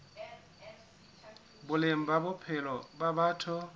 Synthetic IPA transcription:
bʊlem̩babʊpʰɛlɔbabatʰʊ

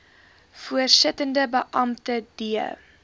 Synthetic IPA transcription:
fuərsətəndəbəʔɐmtəd̥iə̰

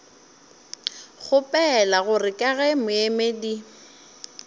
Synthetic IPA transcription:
ɣʊpʼɛlaɣʊrɪkʼaɣɛmʊemedi

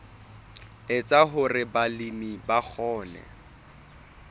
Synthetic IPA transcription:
ɪt͡sʼaɦʊrɪbalimibak͡xʰɔːnɛ̰

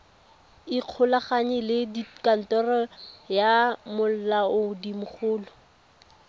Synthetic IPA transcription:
iq͡χʰʊlaχaɲɪlɪdikan̩tɔrɔjamʊl̩laʊdimʊχʊːlʊ

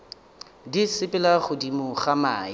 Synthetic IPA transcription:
disɪpʼɪlaχʊdimʊχamaːɪ

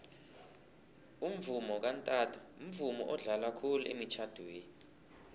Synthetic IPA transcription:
um̩vumɔk̬antʼaːtʰu̥um̩vumɔ̰ʔɔɮalakʰuluʔḛmit͡ʃʰad̥ʱweːni

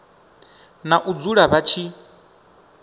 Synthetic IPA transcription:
naʔud͡zuɺaβat͡ʃʰi

